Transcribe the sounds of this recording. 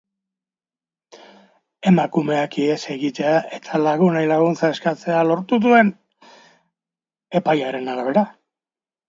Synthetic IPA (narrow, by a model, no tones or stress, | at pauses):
e̞makume̞akiese̞ɣit̪e̞aʔe̞t̪ʰalaɣunajlaɣunt͡sae̞skat͡se̞alo̞ɾt̪uðue̞n | e̞pajaɾe̞naɾaβ̞e̞ɾa